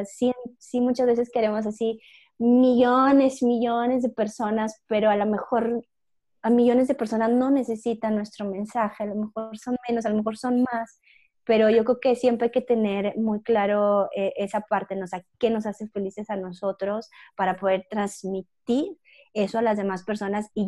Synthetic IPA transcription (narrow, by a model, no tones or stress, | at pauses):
simsimut͡ʃazβe̞se̞ske̞ɾemo̞s̬asi | miʝone̞smiʝo̞ne̞zðe̞pe̞ɾso̞naspe̞ɾo̞alome̞xo̞ɾ | amiʝo̞ne̞zðe̞peɾso̞nazno̞ne̞se̞sit̪anːwe̞st̪ɾo̞mẽ̞nsaxe̞alome̞xoɾso̞nmẽ̞nos̬alome̞xo̞ɾso̞nmas | pe̞ɾo̞ʝo̞kɾeoke̞sje̞mpɾeajke̞t̪e̞ne̞ɾmujklaɾoeʔesapaɾt̪e̞nosake̞no̞sase̞fe̞lise̞sano̞so̞t̪ɾo̞spaɾapo̞ðe̞ɾt̪ɾanz̥mit̪iɾ | e̞soalazðe̞maspe̞ɾso̞nasi